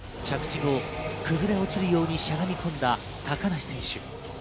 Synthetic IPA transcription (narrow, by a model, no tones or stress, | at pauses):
t͡ɕakɯ̟̥t͡ɕiɡo̞kɯ̟zɨɾe̞o̞t͡ɕiɾɯ̟jo̞ːɲ̟iɕaɡamʲikʰõ̞nd̪a | t̪akanaɕi̥sẽ̞ɰ̃ɕɨ̰